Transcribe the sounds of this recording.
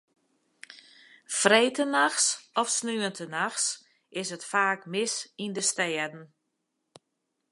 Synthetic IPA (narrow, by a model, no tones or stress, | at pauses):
freːtənaxsɔfsnyːəntənaxs | ɪsətfaːkmɪsindəstɛːədən̩